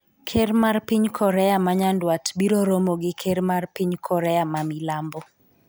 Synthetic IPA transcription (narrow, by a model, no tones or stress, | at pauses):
kʰermarpiɲkʰɔɾɛjamaɲandwatbiɾoɾomoɡɪkʰeɾmarpiɲkʰɔɾɛamamilambɔ